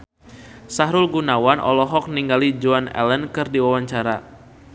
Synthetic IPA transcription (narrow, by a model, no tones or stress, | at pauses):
saɦɾʊlɡunawanʔɔ̰lɔɦɔk̚niŋɡalid͡ʒuanɛ̰lənkɨrdiwawaɲt͡ʃaɾa